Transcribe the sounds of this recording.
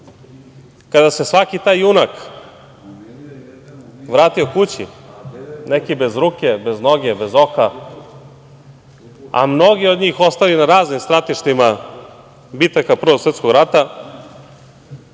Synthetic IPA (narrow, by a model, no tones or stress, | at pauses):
kad̪ase̞sʋakit̪aːjunak | ʋɾaːt̪io̞kut͡ɕḭ | nekibe̞zɾuːkebe̞znoɡebe̞zo̞ka | a̰mno̞ɡiod̪ɲiːxo̞st̪alinaɾaːznimst̪ɾat̪iʃt̪ima | bit̪akapr̩ʋoset̪skoɡɾat̪a